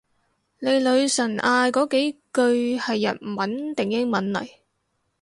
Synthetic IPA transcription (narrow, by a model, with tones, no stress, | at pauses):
ne˨˧jlɵ˨˧ɥsɐ˨˩nʔaː˧jkɔː˨˥ke˨˥jkɵ˧ɥhɐ˨jːɐ̰˨˩t̚m̩˨˩wɐ˨˥nt̪ɪ˨ŋjɪ˥ŋmɐ˨˥nlɐ̰˨˩j